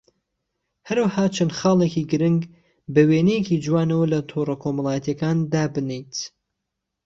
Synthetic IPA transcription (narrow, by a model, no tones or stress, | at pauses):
hɐɾwɐhaːt͡ʃʰɐnχɑːleːkiːɡɨɾɨŋɡ | bɐweːnejeciːd͡ʒwaːnɐwɐlɐt̪ʰoːrɐkʰoːmɐlˠaːjɛt̪jɐkaːnd̪aːbɨnejt̪